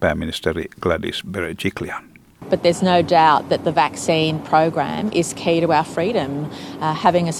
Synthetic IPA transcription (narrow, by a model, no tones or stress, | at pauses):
pæːmːinist̪ɛɾḭɡ̥ladḭsbeɾet͡ʃikliɑn | b̥ʌt̪̚ðə˞znoʊdaʊt̪̚ðɨt̪̚ðəvæksĩnpʰɹ̥əʊɡɹæ̰̃mʔɪz̥kʰiɾəaʊəfɹiɾɨ̃mhævɪ̃ŋɨ